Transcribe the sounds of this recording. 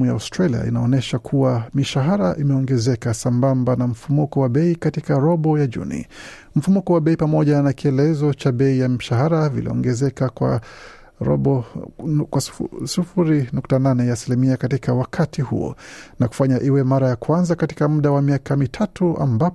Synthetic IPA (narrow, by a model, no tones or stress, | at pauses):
ujaustɾalia̰ʔḭnaɔnɛʃakʰuwamiʃaɦaɾaʔimɛɔŋɡɛzɛkasambambanam̩fumukɔwaɓɛikatikaɾɔɓɔjaʄṵnḭ | m̩fumukɔwaɓɛipamɔʄanakiɛlɛzɔt͡ʃaɓɛijamiʃaɦaɾavḭlḭɔ̰ŋɡɛzɛkakwa̰ | ɾɔ̰ɓɔ | kwasufuɾinuktananɛjaːsilimiakatikawakʰatʰihṵɔ̰naku̥faɲaʔiwɛmaɾajakwanzakatikam̩ɗawamiakamitʰatuʔa̰mbap